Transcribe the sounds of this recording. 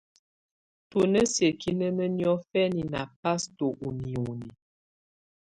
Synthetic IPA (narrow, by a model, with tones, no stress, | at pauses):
tu˨nə˦sje˨kʰi˦nə˦nə˦njɔ˦fɛ˦ni˨na˨pa˦sto˨ʔu˨ni˨u˨ni˨